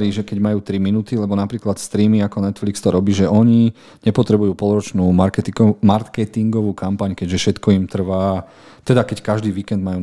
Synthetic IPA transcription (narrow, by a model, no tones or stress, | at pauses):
ɾiːʒɛkɛɟmajuːt̪ɾiminuːt̪ilɛbɔnapɾiːklat̪st̪ɾiːmiakɔnɛt̪flikst̪ɔɾɔbiːʒɛʔɔɲi | ɲɛpɔt̪ɾɛbujuːpɔlˠɾɔt͡ʃnuːmaɾkɛt̪imaɾkɛt̪iŋɡɔʋuːkampaɲkɛɟʒɛfʃɛt̪kɔimt̪r̩ʋaː | t̪ɛd̪akɛckaʒd̪iːʋiːkɛnd̪majuː